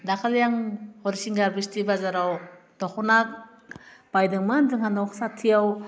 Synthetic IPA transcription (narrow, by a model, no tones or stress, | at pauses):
dakʰaljaŋhɔɾisiŋɡaɾbistibazaɾaw | d̥akɔnak̚ | b̥ajdɯŋmanzɯŋhanɔksatʰijaw